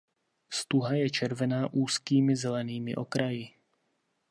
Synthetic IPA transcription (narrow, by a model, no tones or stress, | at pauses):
st̪uɦajɛt͡ʃɛɾvɛnaːʔuːskiːmɪzɛlɛniːmɪ̰ʔo̞kɾajɪ